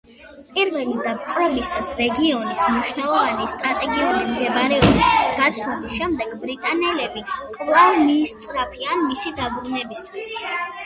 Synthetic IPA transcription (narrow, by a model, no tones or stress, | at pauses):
pʼiɾvɛlid̪amqʼɾɔbisasɾɛɡiɔnismniʃnalˠɔvanist̪ʼɾat̪ʼɛɡiulimd̪ɛbaɾɛɔbisɡ̥at̪sʰnubisʃɛmd̪ɛɡbɾit̪ʼanɛlɛbikʼvlˠavmiːst̪sʼɾapʰianmisid̪abɾunɛbist̪ʰwis